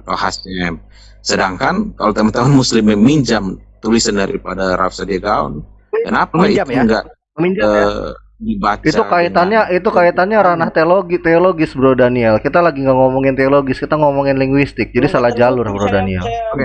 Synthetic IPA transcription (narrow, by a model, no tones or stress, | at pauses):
t̪ahasɛm | sədaŋkankalot̪amant̪amʊnmuslɪmamiɲd͡ʒamt̪ulisandaɾipadaɾa̰fsadiaɡaɔ̰n | kənapaiuŋɡa̰ | miə | dibat͡ʃiat̪ukait̪anɲaʔit̪ukait̪anɲaɾanaht̪eoloɡt̪eoloɡɪsbəɾodaniɛlkit̪alaɡiŋɡaŋomɔŋɪnt̪eoloɡɪskit̪aŋɔmɔŋɪnlɪŋɡwist̪ɪk̚d͡ʒadisalahd͡ʒalʊrbəɾodaniɛ̰lk